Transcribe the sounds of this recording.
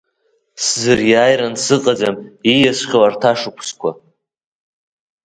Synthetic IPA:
szɨrjaːjɾansɨqʼad͡zamijasʷχʲawartʰaʂɨkʷʰskʷʰa

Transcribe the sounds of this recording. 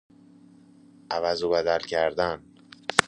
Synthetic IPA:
ʔævæzobæd̪ælcʰæɾd̪æn

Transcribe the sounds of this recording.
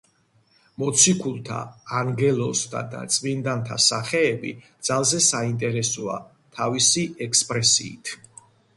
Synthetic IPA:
mɔt̪sʰikʰulˠt̪ʰa̰ːaŋɡɛlˠɔst̪ʰa̰d̪a̰t̪sʼmind̪ant̪ʰasaχɛːbḭd̪z̥alˠzɛsaint̪ʼɛɾɛsɔa̰ | t̪ʰavisiʔɛkspʼɾɛsḭːt̪ʰ

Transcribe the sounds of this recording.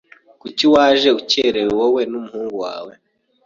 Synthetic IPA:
kuciwaːʒe̞uceɾeɾewowe̞numuhuːŋɡuwa̰ːwe

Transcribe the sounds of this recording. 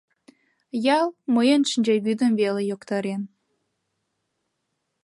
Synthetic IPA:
jɑlˠmɤjənʃənʲd͡ʑeβyd̪əmvelejokt̪ɑɾen

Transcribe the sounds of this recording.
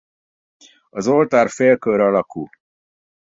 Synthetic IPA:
ɒzolt̪aːɾfeːkøɾɒlɒkṵ

